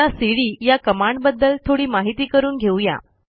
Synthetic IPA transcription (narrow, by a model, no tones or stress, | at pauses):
asiɽiːjakəmaɳɖbəd̪ːəlt̪ʰoɽiːmaɦit̪iːkəɾuːnɡʱewja̰